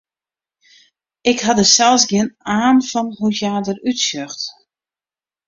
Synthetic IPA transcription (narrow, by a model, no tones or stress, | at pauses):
ɪkhadəsɛlˠsɡjɪənaːnfɔnhutjaːdərytsøxt